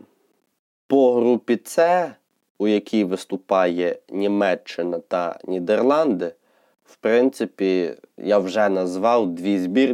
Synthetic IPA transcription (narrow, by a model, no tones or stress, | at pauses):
pɔɦɾupʲit̪sɛ | ujɐkʲʰijʋɪst̪ʊpɑjɛnʲimɛt͡ʃːɪnɐt̪ɐ̰nʲid̪erlˠɑnd̪ɪ | wpɾɪnt̪sɪpʲijawʒɛnɐzʋɑwd̪ʋʲizʲbʲir